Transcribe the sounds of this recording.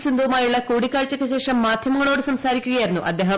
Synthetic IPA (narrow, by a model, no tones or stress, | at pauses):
sind̪ʱɐʋmaːjuɭːɐkuːɽikʲːaːɻt͡ɕːɐkːeɕe̞ːʂɐmːaːd̪ʱjɐmɐŋːɐɭo̞ːɽɨsɐmsaːɾikʲːuɣɐjiɾunːuʔɐd̪ːe̞ːɦɐ